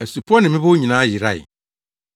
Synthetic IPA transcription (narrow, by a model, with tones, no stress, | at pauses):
ɛ˨su˨pʰʊ˦ɔ˦nɪ̃˨mɪ̃˦bo˦ɲĩ˨nãː˨˦jɪ˨ɾa̰˦˨ɪ̰˨